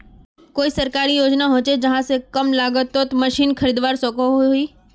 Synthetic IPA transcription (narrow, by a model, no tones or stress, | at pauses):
koːisɐɾkaːɾijoːd͡ʒnaɦõːt͡ʃed͡ʒɐɦãsekɐmlaːɡət̪ːot̪mɐʃiːnkʰɐɾiːd̪ʋaːɾsokoɦiː